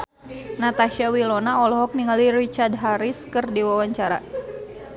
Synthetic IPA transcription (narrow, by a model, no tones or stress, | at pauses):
nat̪aʃiawilɔnaɔlɔɦɔk̚niŋalirit͡ʃardɦaɾiskɨrdiwawaɲt͡ʃaɾa̰